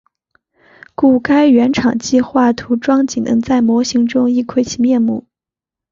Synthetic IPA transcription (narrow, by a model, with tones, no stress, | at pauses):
ku˥˩ka˥ɪɥɛ˧˥nʈ͡ʂʰɑ˨˩ŋt͡ɕi˥˧xwa˥˩t̪ʰu˧˥ʈ͡ʂwɑ˥ŋt͡ɕi˨˩nə̰˧˥ŋt͡sa˥˩ɪmwɔ˧˥ɕi˧˥ŋʈ͡ʂʊ˥ŋi˥˧kʰwe˥˩ɪt͡ɕʰi˨˧˩mjɛ˥˧nmṵ˥˩˦